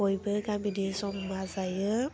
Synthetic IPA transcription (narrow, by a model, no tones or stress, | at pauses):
ɔjbɯɡambidisɔmːazajɯ